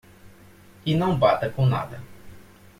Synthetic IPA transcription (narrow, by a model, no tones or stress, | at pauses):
inɐ̃w̃bat̪ɐkũna̰d̪ɐ